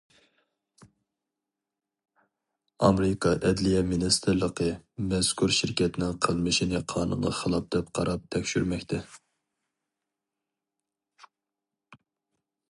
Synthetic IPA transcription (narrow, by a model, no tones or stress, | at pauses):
ɑmɾɪkʰɑʔɛd̪lijɛminɨst̪ʰɨɾlˠəqʰəmɛskʰuɾʃiɾkʲʰɛt̪ɪnɪŋqʰəlˠmɨʃinɨqʰɑːnṵnʁɑχəlˠɑp̚d̪̥ɛp̚qʰɑ̰ɾɑp̚t̪ʰɛkʲʃyɾmɛkʲt̪ʰɛ